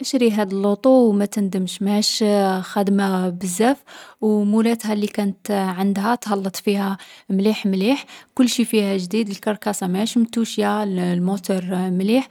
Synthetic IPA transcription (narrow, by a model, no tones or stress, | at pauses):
ʔəʃɾiɦæd̪əlːut̪ˤuwmæt̪ənd̪əmʃmæʃxæd̪mabəzːæfwmulæt̪ɦælikænət̪ʕənd̪hæt̪hɑlːət̪ˤfihæmliħmliħkʊlːʃifihæʒd̪id̪əlkɑɾˤkɑsˤɑmæʃmt̪uʃjallmut̪uɾˤmliħ